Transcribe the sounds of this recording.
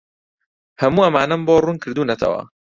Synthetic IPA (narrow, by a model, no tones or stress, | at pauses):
hɐmuːʔɐmaːnɐmboːruːnkʰɨɾd̪uːnɐt̪ʰɐ̰wɐ̰